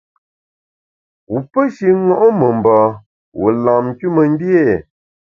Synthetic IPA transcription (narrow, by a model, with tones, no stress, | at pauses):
wu˨pə˦ʃi˦ŋɔ˦ʔo˦mə˨m˨bɔ˨ | wʔu˨la˨m˨ku˦mə˨n˦dje˦˨